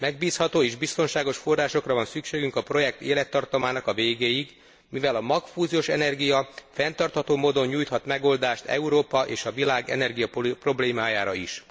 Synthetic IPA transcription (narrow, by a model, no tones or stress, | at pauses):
mɛɡ̚biːshɒt̪oːeːʒbist̪o̞nʃaːɡo̞ʃfo̞rːaːʃo̞krɒvɒnsykʃeːɡyŋkɒpro̞jɛk̚t̪eːlɛt̪ːɒrt̪ɒmaːnɒkɒveːɡeːjiɡ | mivɛlɒmɒkfuːzioʃɛnɛrɡijɒfɛnt̪ɒrt̪hɒt̪oːmoːd̪o̞ɲːuːjt̪hɒt̪mɛɡo̞ld̪aːʃt̪ʰɛ̰uɾoːpɒʔeːʃɒvilaːɡɛ̰nɛrɡijɒppro̞bleːmaːjaːɾɒiʃ